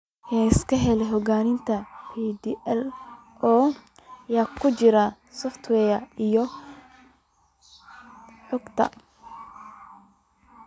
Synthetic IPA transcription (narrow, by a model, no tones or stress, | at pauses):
jaːɪskʰɐɦɛlɛɦɔɡaːnɪnt̪ʰɐhid̪iʔɛl | ɔː | jaːkʰʊt͡ʃɪɾa | sɔft̪ʰwɛːjɐijɔ | ħʊɡt̪ʰɐ̰